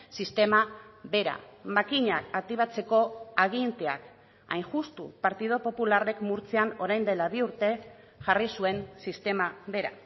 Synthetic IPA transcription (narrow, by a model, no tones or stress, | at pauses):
sist̪e̞maβe̞ɾa̰makiɲakat̪iβat͡se̞ko̞aɣint̪e̞a̰k | ajŋʝust̪ṵpaɾt̪ið̞o̞po̞pulare̞kmuɾt͡seano̞ɾajnd̪e̞laβiuɾt̪e̞ | ʝarisue̞nsist̪e̞maβe̞ɾa̰